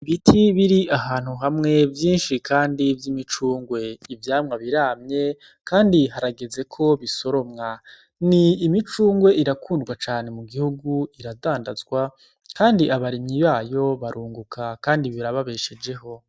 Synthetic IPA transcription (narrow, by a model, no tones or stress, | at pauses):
βitʰiβiɾiʔaɦaːn̥huɦamŋe̞vjiːnʃikʰaːndivjimit͡ʃuːŋɡwe̞ivjaːmŋaβiɾaːmɲe̞ | kʰaːndiɦaɾaɡe̞ze̞kʰo̞βiso̞ɾo̞mŋa | niːmit͡ʃuːŋɡwe̞ʔiɾakuːndɡwat͡ʃaːne̞muɡihuɡuiɾadaːndazɡwa | kʰaːndiʔaβaɾiɲɲiβaːjo̞βaɾʔuːŋɡukʰakaːndiβiɾaβaβe̞ːʃe̞d͡ʒe̞ɦo̞